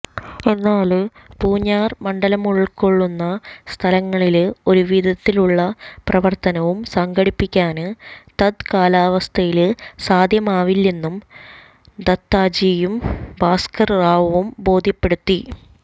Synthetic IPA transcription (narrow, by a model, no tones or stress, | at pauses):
enːaːɭɨ | puːɲːaːrmɐɳɖɐlɐmuɭɭkoɭːunːɐst̪ʰɐlɐŋːɐɭilo̞ɾuʋid̪ʱɐt̪ːiluɭːɐprɐʋɐrt̪ɐnɐʋumsɐŋɡɐɽipːikʲːaːnɨt̪ɐd̪kaːlaːʋɐst̪ʰɐjilsaːd̪ʱjɐmaːʋilːe̞nːum | d̪ɐt̪ːaːd͡ʑiːjumbaːskɐrraːʋɐʋumbo̞ːd̪ʱjɐpːe̞ɽut̪ːi